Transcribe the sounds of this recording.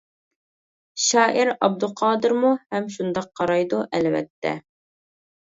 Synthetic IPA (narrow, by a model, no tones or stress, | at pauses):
ʃɑːʔiɾɑb̚d̪ʊqʰɑːd̪ɨɾmuhɛmʃund̪ɑq̚ʰːɑɾɑjd̪uʔɛlvɛ̰t̪ʰːɛ̰